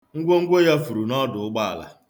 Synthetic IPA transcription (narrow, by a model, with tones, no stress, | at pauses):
ŋ̩˦ɡʷo˦ŋ̩˦ɡʷo˦ja˦fu˨ɾu˨nɔ˦dʊ˨ʊ˦ɡ͡ba˦a̰˨la̰˨